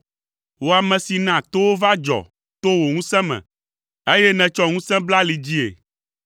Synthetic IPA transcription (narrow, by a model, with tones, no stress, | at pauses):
wo˨a˨mɛ̃˨si˨nã˨t̪o˦wo˦va˦d͡ʒɔ̰˨ | t̪o˦wo˨ŋũ˦sɛ̃˦mɛ̰̃˨ | e˦jɛ˦nɛ̃˨t͡ʃɔ˦ŋũ˦sɛ̃˦bla˦li˨d͡ʑi˦ḛ˨